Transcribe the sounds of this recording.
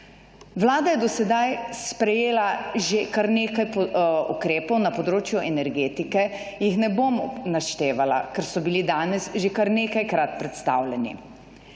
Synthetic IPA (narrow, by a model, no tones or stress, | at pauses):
ʋlaːd̪ajɛd̪ɔsɛd̪ajspɾɛjeːlaʒekaɾneːkajpukɾeːpɔwnapɔd̪ɾoːt͡ʃjuʔɛnɛɾɡeːt̪ikɛ | jixnɛbomnaʃt̪eːʋala̰kɛɾsɔbilid̪aːnɛsʒekaɾneːkajkɾat̪pɾɛt̪st̪a̰wlɛnḭ